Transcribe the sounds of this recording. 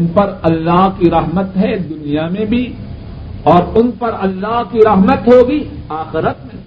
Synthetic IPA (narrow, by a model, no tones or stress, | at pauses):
npɐɾɐlːaːɦkiɾɐɦmət̪ɦɛd̪ʊnijamẽbʱi | ɔːɾʊnpɐɾɐlːaːɦkiɾɐɦmət̪ɦoːɡiaːxɪɾət̪̚mẽ